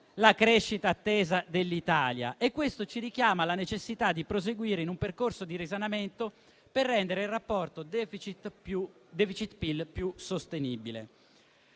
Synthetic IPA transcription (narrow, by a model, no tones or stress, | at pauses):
lakɾeʃːit̪aːt̪ːɛːzad̪elːit̪aːlja̰ʔekːwest̪ot͡ʃiɾik̟jaːmalanet͡ʃesːit̪ad̪ːipɾos̬eɡwiːɾeinumperkorsod̪iɾizanament̪o | perːɛnd̪eɾeilrapːɔrt̪od̪fit͡ʃit̪ud̪ɛfit͡ʃit̪pilpjusost̪eniːbilḛ